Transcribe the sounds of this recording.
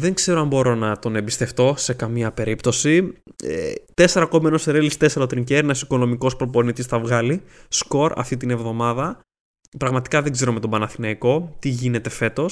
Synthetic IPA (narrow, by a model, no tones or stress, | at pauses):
ðe̞ŋɡse̞ɾoɐmbo̞ɾo̞nɐt̪o̞ne̞bist̪e̞ft̪o̞se̞kɐmiɐpe̞ɾipt̪o̞siḛt̪e̞se̞ɾɐko̞menoseɾelist̪e̞se̞ɾot̪ɾiɲceɾinɐsiko̞no̞miko̞spɾo̞po̞nit̪isθɐvɣɐlisko̞ɾɐ̰ft̪it̪ine̞vðo̞mɐðɐ | pɾɐɣmɐt̪i̥kɐðeɡze̞ɾo̞me̞t̪obɐnɐθinɐiko̞t̪iʝine̞t̪e̞fe̞t̪o̞s